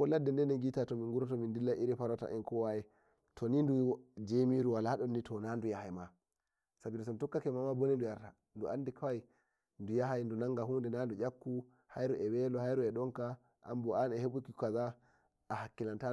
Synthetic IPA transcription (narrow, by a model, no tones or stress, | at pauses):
kɔladːɛndɛnɛŋɡitatɔmiŋɡuɾɔtɔmindilːaʔiɾifaɾɔta̰ʔɛnkɔwajɛ | tʰɔnindud͡ʒemiɾuwalaaɗɔnːitʰɔnandujahajma | sabidɔsɔntɔkːakɛmamabɔnindujaɾta | nduanːdikʰawaj | ndujaɦajndunaŋɡaɦundɛnandujakːu | hajɾuʔɛwɛlɔhajɾuɛɗɔŋka | ʔa̰mbɔanɛheɓukikaza | ʔːhakːilanta